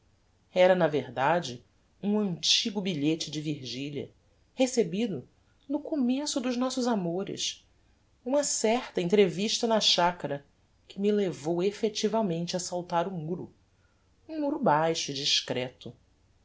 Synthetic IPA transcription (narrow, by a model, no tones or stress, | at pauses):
ɛɾɐnɐveɾd̪ad͡ʒɪ | ũɐ̃nt͡ʃiɡʊbiʎet͡ʃɪd͡ʒɪviɾʒiʎiɐ̰ | hesebid̪ʊ | nʊkomesʊd̪ʊʒnɔsʊzamoɾɪ̰s | ũmɐsɛχt̪ɐẽnt̪ɾeviʃt̪ɐnɐʃakɐɾɐ | kɪmilevowefet͡ʃivɐmẽnt͡ʃɪɐsawt̪aɾʊmuɾʊ̰ | ũmuɾʊbajʃʊd͡ʒiʃkɾɛt̪ʊ